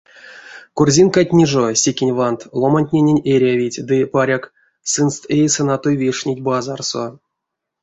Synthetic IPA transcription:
kurzʲinkat̚ʲnʲiʐosʲekʲenʲvant̪lˠomanʲtʲnʲenʲenʲeɾʲavʲitʲd̪ɨpaɾʲak | sɨnst̪ejsɨnat̪ojvʲeʂnʲitʲbazarso̰

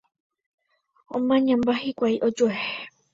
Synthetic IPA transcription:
õ̰mãɲãmbahikʷajʔod͡ʒueh

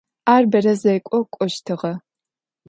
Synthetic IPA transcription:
aːrbɐrɐzɐjkʷʼɔkʷʼɔʃtʰɨʁɐ

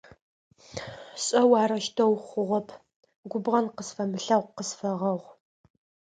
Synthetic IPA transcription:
ɕʼɐwɑːɾɐʃtʰɐwχʷʊʁʷɔpʰ | ɡʷʊbʁɐnqəsfɐmɨɬɐʁʷqəsfɐʁɐʁʷ

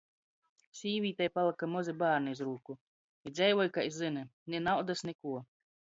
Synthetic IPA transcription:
sʲiːvʲiːt̪ajpalˠɨkamɔzibaːɾniizɾuːku | id̪zʲɛjvɔjkaizɨnɨnʲɛnawd̪asnʲɛkuɔ

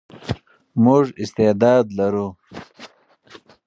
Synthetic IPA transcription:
mʊʐɪst̪ed̪ɑːd̪lɐɾu

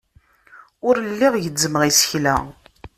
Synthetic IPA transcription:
ʊɾəlːiʁjəd͡zːəməʁisə̥çlæ̰

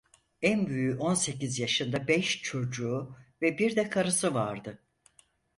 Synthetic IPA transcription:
ænbyjyʔo̞nse̞cizjaʃɯnd̪abɛʃt͡ʃʰo̞d͡ʒuːvɛbiɾd̪ɛkʰaɾɯsɯvaɾd̪ɯ

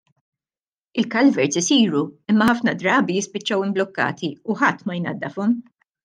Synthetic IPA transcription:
ɪlkɐlvɛɾt͡sɪsiːɾuɪmːɐħɐfnɐd̪ɾɐːbijɪspɪt͡ʃːɐwɪmblɔkːɐ̰ːt̪iʊħɐt̪ːmɐjnɐ̰d̪ːɐfɔm

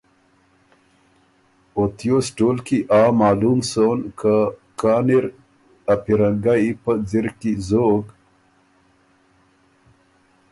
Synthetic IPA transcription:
ot̪ijoːsʈoːlkiʔaːmaːlumsoːnkʰakaːniɾ | ɐpiɾɐŋɡaipəd͡ziɾkizoɡ

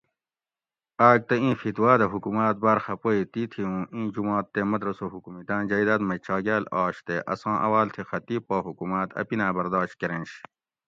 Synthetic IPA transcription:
aːɡ̚t̪ɐĩːfit̪waːd̪ɐɦukumaːt̪̚baːɾxɐpoːit̪iːt̪ʰiũːĩːd͡ʑumaːt̪ːemɐd̪ɾɐsoɦukumid̪ãːnd͡ʑɐid̪ɐt̪mɐt͡ɕɑːɡaːlɑːɕt̪eʔɐ̰sɑ̃ːʔɐ̰waːlt̪ʰixɐt̪iːpːoːɦukumaːt̪ɐ̰pinaːbɐɾd̪ɑːɕkeɾẽnɕ

